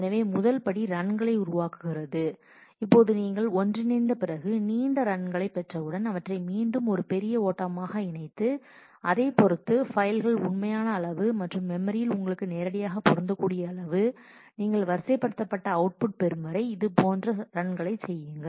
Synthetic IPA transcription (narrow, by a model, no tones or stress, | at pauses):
nɐʋeːmʊðɐlpɐɽiɾɐɳɡɐɭɐɪʊɾʊʋaːkɯɣɪrɐðɯ | ɪpːoːðɯniːŋɡɐɭɔndrɪnɐɪnd̪ɐpɪrɐɣɯniːnd̪ɐɾɐɳɡɐɭɐɪpːɛʈrɐʋɯɽɐnɐʋɐʈrɐɪmiːɳɖɯmɔɾɯpɛɾɪjɐoːʈːɐmaːɣɐɪnɐɪt̪ːɯ | ɐðeːpɔɾɯt̪ːɯfɐɪlɣɐɭʊɳmɐjaːnɐːɭɐʋɯmɐʈrɯmːɛmɐɾɪjɪlʊŋɡɐɭɯkːɯneːɾɐɽɪjaːɣɐpɔɾɐnd̪ɐkːuːɽɪjɐːɭɐʋɯ | niːŋɡɐɭʋɐɾsɐpːɐɽɯt̪ːɐpːɐʈːɐɐʊʈ̚pʊʈ̚pɛɾɯmɐɾɐɪɪðɯpoːndrɐɾɐɳɡɐɭɐɪt͡ʃsɛjːɪŋɡɐɭ